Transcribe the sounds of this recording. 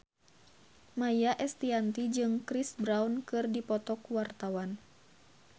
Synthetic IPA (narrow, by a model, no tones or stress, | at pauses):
majaʔɛst̪iant̪id͡ʒɨŋkɾisbɾaunkɨrdipɔt̪ɔkuwart̪awan